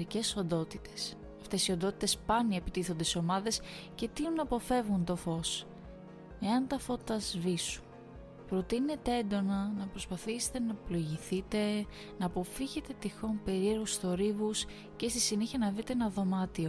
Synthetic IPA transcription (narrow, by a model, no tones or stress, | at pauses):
ɾice̞so̞nd̪o̞t̪it̪e̞̥s | ɐft̪e̞sio̞nd̪o̞t̪i̥t̪e̞spɐniepit̪iθo̞nd̪eso̞mɐðe̞sce̞t̪inunɐpo̞fe̞vɣunt̪o̞fo̞s | e̞ɐnt̪ɐfo̞t̪ɐzvisu̥ | pɾo̞t̪ine̞t̪ee̞nd̪o̞nɐnɐpɾo̞spɐθise̥t̪e̞nɐploʝiθit̪e̞ | nɐːpo̞fiʝe̞t̪e̞t̪ixo̞mpe̞ɾieɾɣust̪o̞ɾivus | ce̞st̪isiniçiɐnɐvɾit̪eenɐðo̞mɐt̪io̞